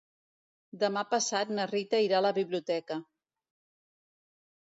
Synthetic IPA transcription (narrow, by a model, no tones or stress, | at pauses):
d̪əmapəsat̪̚nərit̪əiɾaləβiβliut̪ɛkə